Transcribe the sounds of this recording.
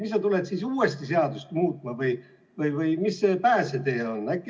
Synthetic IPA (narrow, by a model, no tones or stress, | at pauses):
misːɑt̪ulet̪sisuːest̪iseɑd̪ust̪muːt̪ˑmɑvɯj | vɯjvɯjmisːe̞pæːse̞t̪e̞ːo̞nːækːˑ